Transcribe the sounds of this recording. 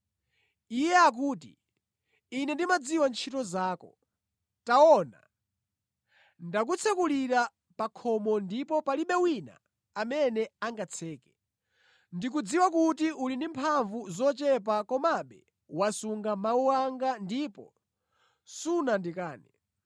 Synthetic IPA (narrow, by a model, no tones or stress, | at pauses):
ijɛak̬uːtḭː | nɛndimad͡ziwant͡ʃʰitɔzaːkɔ | taɔna̰ | ndak̬ut͡sʰɛkuliɾa | pakʰɔmɔndipɔpaliɓɛwina̰ː | mɛnɛaŋɡat͡sʰɛːkɛ̥ | ndik̬ud͡ziwakutiʔulindimpʰaɱvuzɔt͡ʃɛp̬akɔmaɓɛ | wasuŋɡamauwaŋɡandipɔ̰ | sunandikaːnɛ